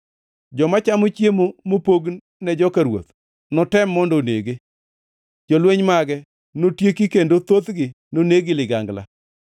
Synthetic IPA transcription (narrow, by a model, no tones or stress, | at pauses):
d͡ʒɔmat͡ʃamot͡ʃjemomopoɡnː | ɛd͡ʒɔkaɾwo̰t̪ | nɔtɛmːɔndɔneɡe | d͡ʒɔlweɲmaɡɛ | notjekikendot̪ot̪ɡɪ | noneɡɪlɪɡaŋɡla̰